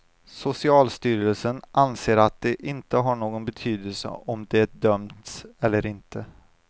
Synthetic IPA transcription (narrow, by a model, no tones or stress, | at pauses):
sʊsɪɑːlst̪yːɾəlsənʔanseːɾat̪̚d̪ɛʔɪnt̪əɦaɳoːɡɔnbɛt̪ʰyːd̪əlsə̰ʔɔmd̪ɛɖœmt̪sɛlːəɾɪnt̪ʰə